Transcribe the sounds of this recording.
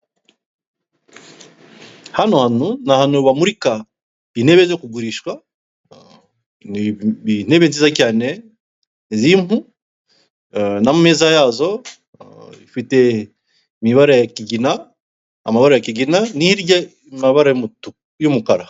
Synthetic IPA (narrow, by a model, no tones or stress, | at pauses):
hanohanunahanoβamuɾika | ineβezekuɡuɾiʃwa | nin̥eβenzizacaːne | zim̥hu | namumeːzajaːzo̞ | ifite | miβaɾajakiɡina | a̰maβaɾajakiɡinanihiɾɟa | imaβaɾa | jumukaɾa